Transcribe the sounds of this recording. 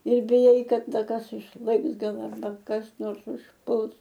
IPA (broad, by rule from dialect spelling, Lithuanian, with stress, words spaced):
ɪr bʲɪˈjɛɪ ˈkɐt ˈdɐ ˈkɐs ɪʃˈlˠɘks ˈɡɐlˠ ɐrˈbɐ kɐs ˈnoːrs ʊʃˈpʊlˠs